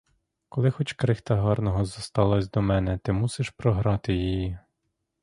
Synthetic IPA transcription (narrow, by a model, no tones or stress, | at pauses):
kɔlˠɪxɔt͡ʃkɾɪxt̪ɑɦɑrnɔɦɔzɐst̪ɑlˠɔsʲd̪ɔmɛnɛt̪ɪmusɪʃpɾɔɦɾɑt̪ɪjiji